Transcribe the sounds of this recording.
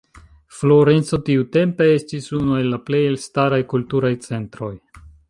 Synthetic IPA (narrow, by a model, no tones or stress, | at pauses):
flo̞ɾe̞nt͡so̞tiute̞mpe̞estisunue̞lːaple̞jelstaɾajkultuɾajt͡se̞ntɾo̞j